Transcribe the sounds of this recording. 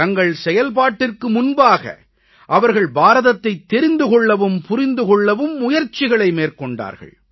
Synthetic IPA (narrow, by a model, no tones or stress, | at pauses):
ɐŋɡɐɭsɛjɐlpaːʈːɪrkɯmʊnbaːɣɐ̰ | ʔɐʋɐɾɣɐɭbaːɾɐðɐt̪ːɐɪt̪ːɛɾɪnd̪ɯkɔɭːɐʋɯmpʊɾɪnd̪ɯkɔɭːɐʋɯmːʊjɐɾt͡ʃɪɣɐɭɐɪmeːɾkɔɳɖa̰ːɾɣɐ̰ɭ